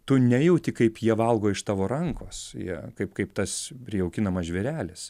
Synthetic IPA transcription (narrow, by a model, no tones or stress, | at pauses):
t̪ʊnʲæjɛʊt̪ʲɪkɐɪpjiɛʋɐlˠɡoːɪʃt̪ɑːʋoːɾɐŋkoːsjḭɛkɐɪpkɐɪpt̪ɐspʲɾʲɪjɛʊkʲɪnɐmɐsʒʲʋʲɛɾʲæːlʲɪs